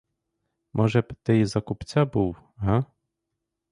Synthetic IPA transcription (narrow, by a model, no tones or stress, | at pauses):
mʔɔʐɛpt̪ɛjzakupt͡sʲabuw | ɦa